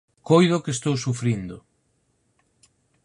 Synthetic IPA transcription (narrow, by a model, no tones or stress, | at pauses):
kojðʊkest̪owsufɾind̪ʊ